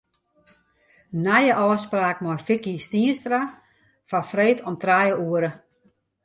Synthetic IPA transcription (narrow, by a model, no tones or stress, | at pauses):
najəʔɔːspraːk̚mɔjfɪkistiənstra | fafreːtʰɔmtrajəuəɾə